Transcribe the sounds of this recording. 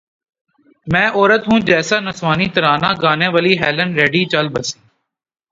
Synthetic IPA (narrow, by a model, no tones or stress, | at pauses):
mɛ̃ːʔɔːɾət̪ɦũːd͡ʒɛːsaːnəsʋaːniːt̪əɾaːnãːɡaːnẽːʋəliːɦɛːlənɾeːɖiːt͡ʃəlbəsiː